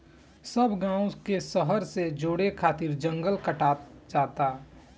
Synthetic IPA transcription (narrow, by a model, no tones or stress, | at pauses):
səbʱɡãːũkesəɦəɾsed͡ʒoːɽekʰaːt̪ɪɾd͡ʒə̃ŋɡəlkəʈaːt̪d͡ʒaːt̪a